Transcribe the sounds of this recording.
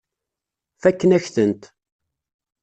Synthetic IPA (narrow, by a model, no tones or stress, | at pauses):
fækːənæçθənt̪